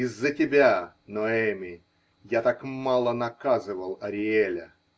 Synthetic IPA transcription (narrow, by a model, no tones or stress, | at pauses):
ɪzːətʲɪbʲa | noɛmʲɪ | jat̪akmalˠənɐkazɨvəlˠɐɾʲɪelʲə̰